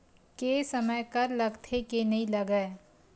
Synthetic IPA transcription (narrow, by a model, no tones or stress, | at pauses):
kesɐməjkɐɾlɐɡt̪ʰekenɐɦĩlɐɡəː